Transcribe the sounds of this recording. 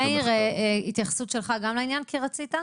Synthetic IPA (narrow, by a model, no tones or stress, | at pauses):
eʁeit̪jaχḁsutʃelχaɡamlainjankʰiʁat͡sita